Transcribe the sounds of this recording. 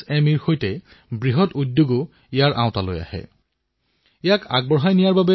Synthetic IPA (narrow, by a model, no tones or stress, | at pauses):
ɛmiɹxojtɛ | bɹiɦɔtudjuɡʊ | ijaɹʔaʊ̃talo̰ja̰hɛ̰ | ijakʰa̰ɡ̚bɔɹɦajnijaɹbabɛ